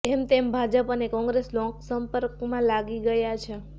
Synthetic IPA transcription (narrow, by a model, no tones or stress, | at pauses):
emt̪embʱad͡ʒəpənekɔ̃ŋɡɾeslɔ̃ŋksəmpəɾkmãlaɡiɡəjat͡ʃʰe